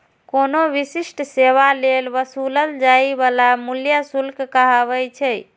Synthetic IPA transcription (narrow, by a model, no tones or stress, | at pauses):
konoʋisisʈseʋalelʋəsuləld͡ʒaibalamuljasulkkəɦəβəjt͡ʃʰɛj